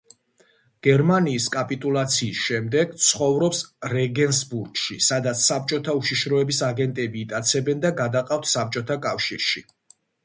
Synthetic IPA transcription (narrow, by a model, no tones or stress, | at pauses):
ɡ̥ɛɾmaniːskʼapʼit̪ʼulˠat̪sʰiːsʃɛmd̪ɛɡ̥t̪sʰχɔvɾɔpsɾɛɡɛnsbuɾɡʃisad̪at̪sʰsap̚t͡ʃʼɔt̪ʰauʃiʃɾɔɛbisaɡɛnt̪ʼɛbiːt̪ʼat̪sʰɛbɛnd̪aɡad̪aqʼaft̪ʰsap̚t͡ʃʼɔt̪ʰakʼafʃḭɾʃi